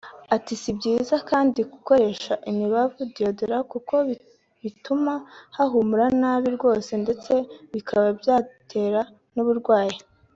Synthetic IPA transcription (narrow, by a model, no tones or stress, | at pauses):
atisibɟiːzakaːndiɡuko̞ɾe̞ːʃaʔimiβavudiodoɾakuko̞ | βitumahaɦumuɾanaːβiɾɡwo̞ːse̞nde̞t͡se̞βikʰaβabjaːtʰe̞ːɾa | nuβuɾɡwaːji